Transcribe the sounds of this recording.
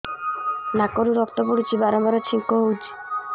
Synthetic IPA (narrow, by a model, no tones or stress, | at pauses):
nakɔɾuɾɔkt̪ɔpuɽit͡ʃʰibaɾɔbaɾɔt͡ʃʰiŋkɔɦowd͡ʒi̥